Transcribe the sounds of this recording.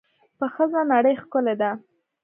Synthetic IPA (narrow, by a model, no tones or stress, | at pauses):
pəxəzanaɽəjxkʊled̪a